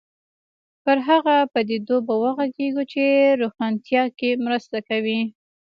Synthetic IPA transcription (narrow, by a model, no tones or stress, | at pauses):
pəɾɦaɣapad̪ed̪obawəɣaɡeɡut͡ʃeɾoxɑnt̪jɑkemɾəst̪akawi